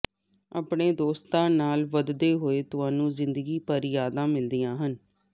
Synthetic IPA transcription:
a̰ːpɳeːd̪oːst̪ãːnaːlʋəd̪d̪eːɦoːeːt̪ʊaːnũːzɪnd̪əɡiːpəɾjaːd̪ãːmɪld̪ijãːɦən

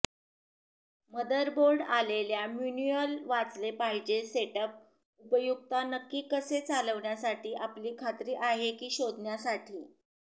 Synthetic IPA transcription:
məd̪əɾboɾɖaleljamjuniəlʋat͡slepaɦid͡ʑeseʈəp̚ | upəjuɡ̚t̪anəkːiːkəset͡saləʋɳjasaʈiːʔapliːkʰat̪ɾiːʔaɦekiːɕod̪ʱnjasaʈʰiː

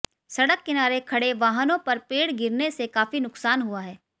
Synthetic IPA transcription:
sɐɽəkːɪnaːɾekʰɐɽeʋaːɦənõpɐɾpeːɽɡɪɾnesekaːfinʊksaːnɦuaɦɛː

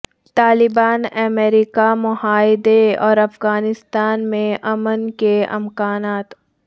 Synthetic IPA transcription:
t̪aːlɪbaːnɛmɛːɾikamʊhaːɪd̪eɔːɾɐfɣaːnɪst̪aːnmẽʔɐmənkeɪ̰mkaːnaːt̪

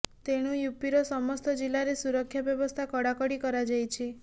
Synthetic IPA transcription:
t̪eɽ̃ujupiɾɔsɔmɔst̪ɔd͡ʒilaɾesuɾɔkʰːjabjɔbɔst̪ʰakɔɽakɔɽikɔɾad͡ʒajt͡ʃʰi

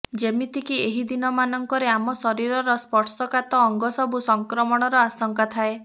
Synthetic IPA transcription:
d͡ʒemit̪ʰikieɦid̪inɔmanɔŋkɔɾeamɔsɔɾiɾɔɾɔspɔʈsɔkat̪ɔɔŋɡɔsɔbusɔŋkɾɔmɔɽ̃ɔɾɔasɔŋkat̪ʰae

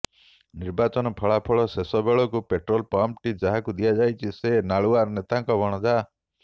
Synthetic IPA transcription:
niɾbat͡ʃɔnɔpʰɔɭapʰɔɭɔsesɔbeɭɔkupeʈɾɔlpamʈid͡ʒaɦakud̪ijad͡ʒajt͡ʃʰisenaɭuaɾɔnet̪aŋkɔbʱɔɽ̃ɔd͡ʒa

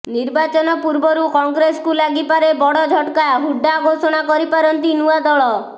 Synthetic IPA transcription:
niɾbat͡ʃɔnɔpuɾbɔɾukɔŋɡɾeskulaɡipaɾebɔɽɔd͡ʒʱɔʈkaɦuɖːaɡosɔɽ̃akɔɾipaɾɔnt̪inuad̪ɔɭɔ

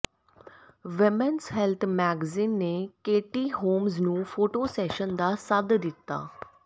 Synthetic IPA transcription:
ʋɪmənzɦɛlt̪ʰmɛːɡziːnːeːkeːʈiːɦoːmznũːfʰoːʈoːsɛːʃənd̪aːsəd̪d̪ɪt̪ːa̰ː

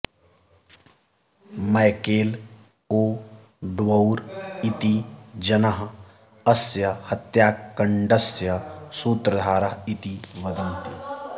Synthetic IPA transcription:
mɐɪkeːl | oː | ɖ̪wɐuɾɪt̪id͡ʒɐnəɦ | ɐsjəhɐt̪jaːkːəɳɖəsjəsuːt̪ɾəd̪ʱaːɾəɦɪt̪iʋɐd̪ənt̪i

